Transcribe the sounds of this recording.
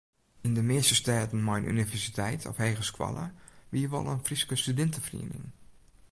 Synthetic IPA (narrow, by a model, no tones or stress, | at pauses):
ɪndəmɪːstəstɛːtən̩mɔjnʔy̰nivɛrsitʰɛjtʰɔ̰fheːɣəskwɑ̰lˠə̰ʋiːəʋɔ̰lˠənfriskəstydɛntəfrḭənɪ̰ŋ